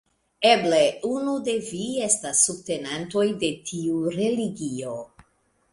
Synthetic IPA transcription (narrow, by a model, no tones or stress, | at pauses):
ebleunude̞vie̞stasːub̚te̞nanto̞jde̞tʰiuɾe̞liɡio̞